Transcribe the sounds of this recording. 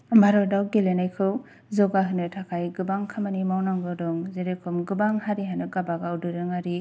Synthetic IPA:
mbʱaɾɔdawɡelenajkʰɯw | zɔɡaɦɯnɯtʰakʰajɡɯbaŋkʰamanimawnaŋɡɯdɔŋzeɾekʰɯmɡɯbaŋhaɾiɦanɯɡabaɡawdɯɾɯŋaɾi

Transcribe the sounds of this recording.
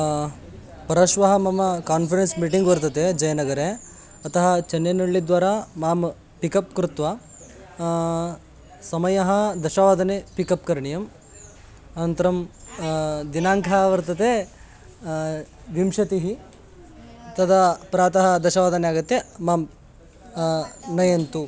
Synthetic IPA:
pɐɾaːʃʋɐɦɐmɐmɐkaːnpʰɐɾensmiːʈiŋɡʋɐɾt̪ɐt̪ed͡ʒɐjɐnɐɡɐɾe | ɐt̪ʰɐɦɐt͡ʃɐnjenuɭːid̪ʋaːɾɐmaːm | pikɐp̚kɾut̪ʋa | sɐmɐjɐɦɐd̪ɐʃɐʋaːd̪ʱɐnepikɐp̚kɐɾɐɳijɐm | ɐnɐnt̪ɐɾɐm | d̪inaːŋkʰaʋɐɾt̪ɐt̪e | ʋimʃɐt̪iɦi | t̪ɐd̪ɐpɾaːt̪ɐɦɐd̪ɐʃɐʋaːd̪ɐneaːɡɐt̪ːemaːm | nɐjɐnt̪u

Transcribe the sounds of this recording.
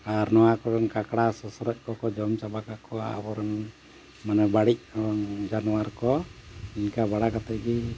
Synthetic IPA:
aɾnɔwakɔɖɔnkakɽasɔsɔɾɔc̚ˀkɔkɔd͡ʒɔmt͡ʃabakakɔabɔɾɔn | manɛbaɽic̚ɔd͡ʒanuwaɾkɔiɲkabaɽakat̪aɡi

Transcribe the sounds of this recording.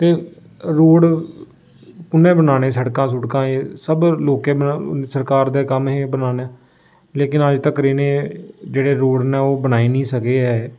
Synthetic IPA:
t̪eː | ɾoːɽ | kʊnẽːbənaːnẽːsəɽkãːsʊʈkãːeːsəbloːkeːsəɾkaːɾd̪eːkəmɦẽːbənaːneː | leːkɪnəd͡ʒt̪əkɾeːneːd͡ʒeːɽeːɾoːɽnɛ̃ːoːbənaːiːnĩːsəkeːɛː

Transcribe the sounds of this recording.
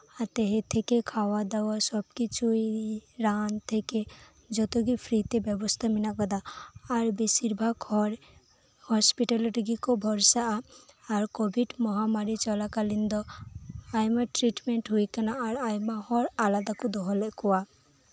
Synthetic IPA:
at̪eɦɛt̪ʰɛkekʰawad̪awasɔbkit͡ʃʰuiɾant̪ʰɛke | d͡ʒɔt̪ɔɡipʰɾit̪ebɛbɔst̪ʰaminakɔd̪aːɾbisiɾbʱaɡʱʰɔɾ | hɔspiʈəlʈɡikɔbʱɔɾsaaːɾkɔbʱiɖmɔɦamaɾit͡ʃɔlakalind̪ɔ | ajmaʈɾiʈmẽɳʈɦuikanaːɾajmahɔɾalad̪akud̪ɔɦɔlɛkɔa

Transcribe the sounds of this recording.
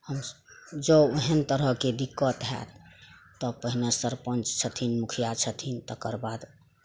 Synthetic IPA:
həm | d͡ʒəəɦənt̪əɾəɦked̪ikːət̪ɦɛ̰t̪t̪ːəpəɦinasəɾpənt͡ʃt͡ʃʰət̪ʰinmukʰijat͡ʃʰət̪ʰint̪əkəɾbad̪

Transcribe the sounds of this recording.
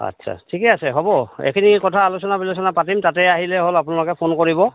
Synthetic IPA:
a̰tːsʰa̰tʰikɛasɛɦɔbɔḛkʰinikɔtʰaːlusɔnapilosɔnapatimtatɛaɦilɛɦolapunalɔkɛpʰonkoɹibɔ

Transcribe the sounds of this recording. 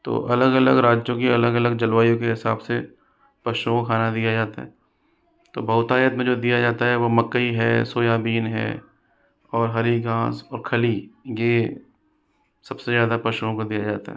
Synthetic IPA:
t̪o̰ːʔɐləɡɐləɡɾaːd͡ʒjõkiɐləɡələɡ̚d͡ʒɐlwaːijõkeɦɪsaːbse | pɐʃuõkʰaːnad̪ijad͡ʒaːt̪a̰ɦɛː | t̪oːbʱɐʊt̪aːjəd̪mẽd͡ʒoːd̪ijad͡ʒaːt̪aɦɛʋomɐkːəiɦɛːsoːjabiːnɦɛ̰ː | ɔːɾɦɐɾiɡãːsɔːɾkʰɐlije | sɐbsezjaːd̪apɐʃuõkod̪ijad͡ʒaːt̪a̰ɦɛ

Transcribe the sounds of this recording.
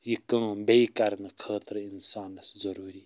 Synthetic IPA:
jikəmbeikɐɾnɐkʰəːt̪ɾinsaːnɐszɐɾuːɾiː

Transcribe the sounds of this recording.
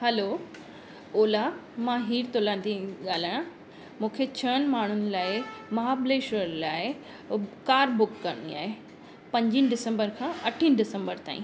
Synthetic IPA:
hɐlo | oːlamãɦiːɾt̪oːlãːnd̪iɠaːl̤ãːã | mũːkʰet͡ɕʰɐñ̆maːɳ̤ʊnɪ̆laːɪmɐɦaːbleːʃəɾlaːɪ | kaːɾbʊkːɐɾnḭa̰ːɦe | pɐ̃ɲd͡ʑĩnɖɪsə̃mbəɾkʰãːʔɐʈʰĩnɖɪsə̃mbəɾt̪a̰ːḭ̃ː

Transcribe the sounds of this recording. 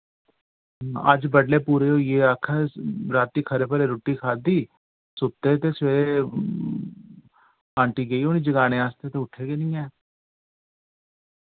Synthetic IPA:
ə̰d͡ʒbəɖleːpuːɾeːoːjeːaːkʰɛɾaːt̪ːiːkʰəɾeːpəɾeːɾoːʈːiːkʰaːd̪iː | sʊt̪ːeːt̪eːsʋeːɾeː | ãːɳʈiːɡəiːoːniːd͡ʒəɡaːnẽːaːst̪eːt̪eʊʈʰːeːɡenɪ̃ːɛ̃ː

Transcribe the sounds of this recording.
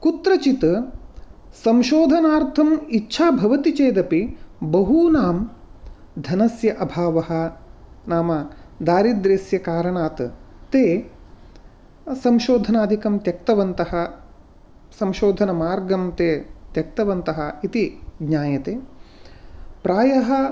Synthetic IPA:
kut̪ɾɐt͡ʃit̪ | sɐmʃoːd̪ʱɐnaːɾt̪ʰɐmitːʃʰaːbʱɐʋɐt̪it͡ʃeːd̪ɐpibɐɦunaːm | d̪ʱɐnɐsjɐʔɐbʱaːʋɐɦɐ̆ | naːmɐd̪aːɾid̪ɾeːsjɐkaːɾɐɳaːt̪t̪eː | sɐmʃoːd̪ʱɐnaːd̪ʱikɐmt̪jɐk̚t̪ɐʋɐnt̪ɐɦɐ̆ | sɐmʃoːd̪ʱɐnɐmaːɾɡɐmt̪eːt̪jɐk̚t̪ɐʋɐnt̪ɐɦɐ̆it̪iɡɲaːjɐt̪eː | pɾaːjɐɦɐ̆

